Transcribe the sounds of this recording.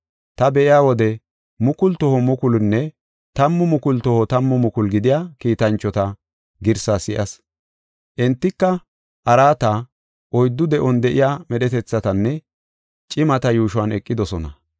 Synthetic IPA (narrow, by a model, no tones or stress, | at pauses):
t̪ɐbɛʔɪjaːwɔd̪ɛ | mʊkʊlt̪ɔhɔmʊkʊlnːɛ | t̪ɐmːʊmʊkʊlt̪ɔhɔt̪ɐmːʊmʊkʊlɡɪd̪ɪjaːkiːt̪ɐnt͡ʃːɔt̪ɐ | ɡɪɾsasɪʔɐs | ʔɪnt̪ːɪkːɐ | ʔɐɾaːt̪ɐ | ʔɔjd̪ːʊd̪ɛʔɔnd̪ɛʔɪjaːmɛɗɛt̪ɛt͡sːɐt̪ɐnːɛ | t͡ʃʼɪmɐt̪ɐjuːʃʊwɐnɛkʼːɪd̪ɔsɔnɐ̰